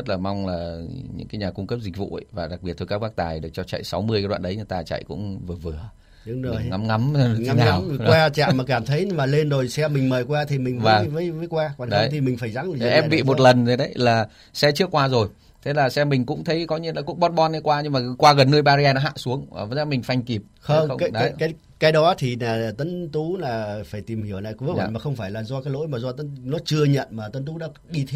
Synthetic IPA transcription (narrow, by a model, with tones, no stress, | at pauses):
zə˦˥t̚laː˨˩ma˧wŋ͡mlaː˨˩ɲɨ̰˧˥ŋkaː˨˦jɲaː˨˩kʊ˧ŋ͡mkə˦˥p̚zi˨˩k̟̚vṵ˧˨ə˨˧vaː˨˩ɗa˨˩k̚ɓi˨˩ət̪̚ʰo˧ka˦˥ɓaː˦˥k̚t̪aː˨˩jɗɨ˨˩k̚t͡ɕɔ˧t͡ɕa̰˧˨jsa˨˦wmɨ˧əjkːɗwa̰ː˧nɗə˨˦jɲɨ˧˩t̪aː˧˩t͡ɕa̰˧˨jkʊ̰˧˥ŋ͡mvɨ˨˩əvɨ˨˩ə | ɨ˨˧˦ŋ˨˩ŋa˨˦mŋa˨˦m˧˨ŋ˨˦naː˨˩wwaː˧t͡ɕa̰ː˧˨maː˨˩kaː˧˩mt̪ʰə˨˦jmaː˨˩le˧nzo˨˩jsɛ˧mï˨˩ŋ̟məː˨˩jkwaː˧t̪ʰi˨˩mï˨˩ŋvaː˨˩vəː˨˦jvəː˨˦jkwaː˧kwaː˨˩nɗə˨˦t̪ʰi˨˩mï˨˩ŋ̟faː˧˩jza˨˦ŋ˨˦ʔɛ˦˥pɓḭ˧˨mo˨˩t̚lə˨˩nzo˨˩ɗə˨˦jlaː˨˩ | sɛ˧˦t͡ɕɨ˦˥əkːwaː˧zo˨˩j | t̪ʰe˨˦laː˨˩sɛ˧mï˨˩ŋ̟kʊ̰˧˥ŋ͡mt̪ʰə˨˦jkɔ˨˦ɲḭ˧˥nlaː˨˩ku˦˧˥k̚ɓɔ˦˥t̚ɓɔ˧nə˨˦jkwaː˧ɲɨ˧ŋmaː˨˩kwaː˧ɣə˨˩nːɨ˧jɓaː˧zi˧aː˧nɔ˨˦ɦa̰ː˧˨su˨˦əŋː˨˩˨zaː˨˧˦mï˨˩ŋ̟fa˧jŋ̟ki˨˩p̚xə˧˨˧wŋ͡mxə˧wkːɗə˨˦kaː˨˦j | kaː˨˦jɗɔ˨˦t̪ʰi˨˩naː˨˩˨t̪ə˨˦nt̪u˨˦laː˨˩˨faː˧˩jt̪i˨˩mhi˧˩əwla̰ː˧˨jkːa̰˨˩maː˨˩xə˧wŋ͡mfaː˧˩jlaː˨˩zɔ˧kaː˨˦jlo̰˧˥jmaː˨˩zɔ˧t̪ə˨˦nnɔ˨˦t͡ɕɨ˧əɲə̰˧˨nmaː˨˩t̪ə˨˦nt̪u˨˦ɗa̰ː˧˥ɗi˧t̪ʰ